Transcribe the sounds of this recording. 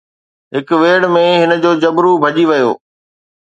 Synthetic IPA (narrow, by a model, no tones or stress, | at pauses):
ɦɪkʋeːɽmẽɦɪnəd͡ʑoːd͡ʑɐbɾubʱɐʄiʋɐjo̰ː